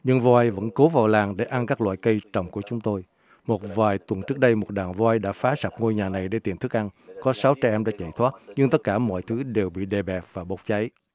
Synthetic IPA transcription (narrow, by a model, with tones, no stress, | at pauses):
ɲɨ˧ŋvɔ˧ʔa˧jvə̰˧˥nko˨˦vaː˨˩wlaː˨˩ŋɗe˧˩ʔa˧nkaː˦˥k̚lwa̰ː˧˨jkə˧jt͡ɕə̰˨˩wŋ͡mku˧˩ət͡ɕʊ˨˦ŋ͡mt̪o˧j | mo˨˩t̚vaː˨˩jt̪wə˨˩nt͡ɕɨ˦˥ək̚ɗə˧jmo˨˩t̚ɗaː˨˩ŋvɔ˧ʔa˧jɗa̰ː˧˥faː˨˦sa˨˩p̚ŋo˧jɲaː˨˩na˨˩jɗe˧˦t̪i˨˩ənt̪ʰɨ˦˥k̚ʔa˧nkɔ˨˦sa˨˦wt͡ɕa˧ʔɛ˧mɗa̰ː˧˥t͡ɕa̰˧˨jt̪ʰwaː˦˥t̚ɲɨ˧ŋt̪ə˦˥t̚kaː˧˩mɔ̰˧˨jt̪ʰɨ˨˦ɗe˨˩wɓḭ˧˨ɗe˨˩ɓɛ˨˩p̚vaː˨˩ɓo˨˦wk͡p̚t͡ɕa˨˦j